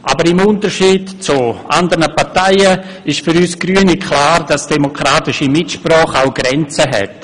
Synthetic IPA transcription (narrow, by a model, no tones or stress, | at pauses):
ʔabəɾɪmʊntəɾʃiːdt͡suʔa̰ndəɾnəpaɾtaɪə | ɪʃfyɾyːsɡ̥ryənikʰlaːɾd̥asd̥ɛmokɾaːtɪʃimɪtʃprɔːχaʊɡ̥ɾɛnt͡səɦɛ̰t